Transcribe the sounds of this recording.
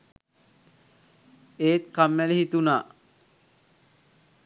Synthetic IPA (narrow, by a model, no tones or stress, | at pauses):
eːt̪kamːælehit̪unaː